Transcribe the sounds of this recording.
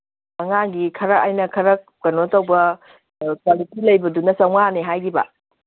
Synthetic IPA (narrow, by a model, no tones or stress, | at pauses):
mɐŋaɡikʰɐɾɐʔajnɐkʰɐɾɐk̚ | kɐnotɐwbɐ | kalitilɐjbɐdunɐsɐwŋaneɦajɡibɐ̰